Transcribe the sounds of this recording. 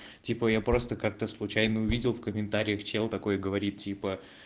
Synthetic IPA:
tʲipəjapɾo̞st̪əkak̚t̪əslˠʊt͡ɕæjnəʊvʲidʲɪlˠfkəmʲɪnt̪aɾʲɪjəxt͡ɕelˠt̪ɐko̞jəɡəvɐɾʲit̪̚tʲːipə

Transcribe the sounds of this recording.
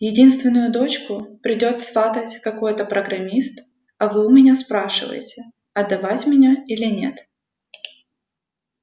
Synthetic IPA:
jɪdʲinst̪vʲɪnːʊjʊd̪o̞t͡ɕkʊpɾʲɪdʲo̞t̪sfat̪ətʲkɐko̞jt̪əpɾəɡɾɐmʲist̪ | ɐvɨʊmʲɪnʲaspɾaʂɨvə̰jɪ̰tʲɪ | ɐd̪ːɐvatʲmʲɪnʲailʲɪnʲe̞̰t̪

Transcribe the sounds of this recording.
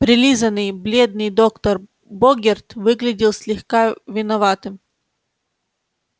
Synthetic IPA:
pɾʲɪlʲizənɨjblʲed̪̚nɨjd̪okt̪ɐr | boɡʲɪrt̪vɨɡlʲɪdʲɪlˠsʲlʲɪxkavʲɪnɐvat̪ɨm

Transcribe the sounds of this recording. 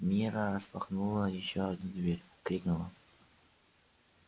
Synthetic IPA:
mʲiɾəɾəspaχnulˠəjɪɕːoɐd̪nud̪ʲvʲeɾʲkɾʲiknulˠə

